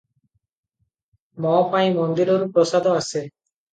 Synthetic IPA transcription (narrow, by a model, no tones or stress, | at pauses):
mɔpaj̃mɔnd̪iɾɔɾupɾɔsad̪ɔase